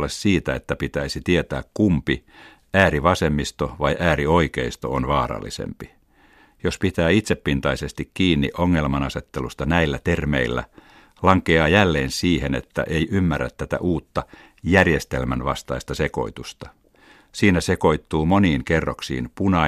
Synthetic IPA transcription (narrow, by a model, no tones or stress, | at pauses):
lːessiːt̪æet̪ːæpit̪æisit̪iet̪æːkkumpi | æːɾiʋɑsemːist̪oʋɑijʔæːrioikeist̪o̰onʋɑːɾɑ̰lːḭsḛmpi | jospit̪æːit̪sepːint̪ɑisest̪ikkiːnːḭʔoŋːelmɑnɑset̪ːelust̪ɑnæilːæt̪ermḛilːæ̰ | lɑŋkeɑːjælːeːnsiːhenet̪ːæ̰ʔeiʔymːærːæ̰t̪ːæt̪æ̰ʔuːt̪ːɑ | jærjest̪elmænʋɑ̰st̪ɑist̪ɑse̞ko̞̰it̪ust̪ɑ | siːnæseko̞it̪ːuːmoniːŋkerːoksḭːnpunɑ